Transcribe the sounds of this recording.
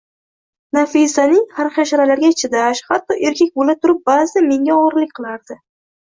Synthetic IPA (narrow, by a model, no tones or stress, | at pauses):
nafɪsanɪŋhaɾχaʃaɾalaɾɡʲat͡ʃʰɪd̪aʃhat̪ːɒʔe̞ɾkʲʰek̚ʲbolat̪ʰʊɾɪp̚bazɪd̪ame̞ŋɡʲaɒɾlɪk̚ʲqʰɨlˠaɾd̪ɪ